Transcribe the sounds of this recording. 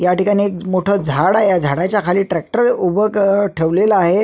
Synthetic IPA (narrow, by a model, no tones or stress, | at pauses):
jaʈikaɽ̃iekmoʈʰɔd͡zʱaɽaɦjad͡zʱaɽat͡ɕjakʰaliːʈɾɛk̚ʈəɾubʱəkʈʰeʋleləaɦe